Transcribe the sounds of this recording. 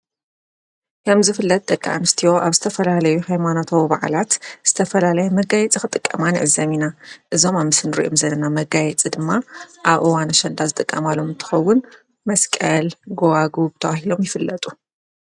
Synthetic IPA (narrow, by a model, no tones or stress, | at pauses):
kʰɐmzɨfɨlːɐt̪̚ʼt̪ʼɐkʼːiʕa̰nɨst̪ʰijo̞ʔaβzɨt̪ʰɐfɐlalɐjuhajmanot̪ʰowbaʕ̰lat̪z̥ɨt̪ʰɐfɐlalɐjɛmɐɡajɛt͡sʼixɨt̪ʼɨkʼːɐ̰maniʕɨzːɐminaʔɨzo̞mamɨsɨnɨɾḭʔomzɐlːɐnamɐɡajɛt͡sʼid̪ɨmːaʔaβʔɨwanɐʃɐnd̪azɨt̪ʼɨkʼːɐ̰malo̞mɨnt̪ʰɨ̥xɐwːʊn | mɐskʼɐlɡowaɡubɨt̪ʰɐwahilo̞mjɪfɨlːɐt̪ʼu̥